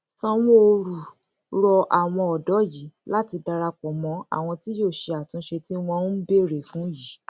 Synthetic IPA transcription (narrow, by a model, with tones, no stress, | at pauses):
sã˧w̃ɔ̃˦o˧ɾu˨ | ɾɔ˧ʔa˨w̃ɔ̃˧ɔ˨dɔ˨˦ji˨˦la˦ti˧da˧ɾa˧k͡pɔ˨mɔ̃˧a̰˨w̃ɔ̃˧ti˦joː˦˨ʃe˧a˨tũ˨˧˦ʃe˧ti˦w̃ɔ̃˧˦be˦˨ɾe˨fũ˨˦ji˨˦